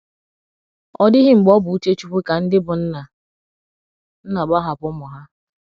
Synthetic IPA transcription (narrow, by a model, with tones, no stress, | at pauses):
ɔ˦dɪ˦ɦɪ˦ŋ͡m̩˨ɡ͡bɔ˦bʊ˨u˦te˦t͡ʃu˨ɸe˦ka˨n̩˦dɪ˦bʊ˨n̩˦na˨ | n̩˦na˨ɡ͡ba˦ɦa˨pʊ˦mʊ˨ɦa˦